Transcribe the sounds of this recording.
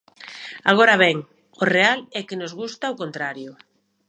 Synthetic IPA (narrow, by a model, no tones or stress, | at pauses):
aɣ̞oɾaβɛŋ | orealɛkɪnozɣust̪aokont̪ɾaɾjʊ